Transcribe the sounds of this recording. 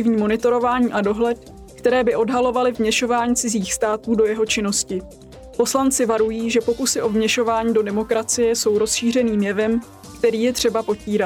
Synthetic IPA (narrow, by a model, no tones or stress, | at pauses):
ɪvɲiːmo̞nɪt̪o̞ɾo̞vaːɲiːʔado̞ɦlɛt̪̚ | kt̪ɛɾɛːbɪʔo̞dɦalo̞valɪvmɲɛʃo̞vaːɲiːt͡sɪziːxst̪aːt̪uːdo̞jɛɦo̞t͡ʃɪno̞scɪ | po̞slant͡sɪvaɾujiːʒɛpo̞kusɪʔo̞vmɲɛʃo̞vaːɲiːdo̞dɛmo̞kɾat͡sɪjɛso̞wɾo̞sʃiːr̝ɛniːmjɛvɛm | kt̪ɛɾiːjɛt̪r̝̥ɛbapo̞ciːɾat̪